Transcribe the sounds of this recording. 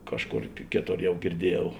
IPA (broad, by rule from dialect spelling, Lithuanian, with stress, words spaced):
ˈkɑːʃˌkoːr ˈkʲeːˌtoːr ˈjɛʊ ɡʲɪrʲˈdʲiɛˌjɛʊ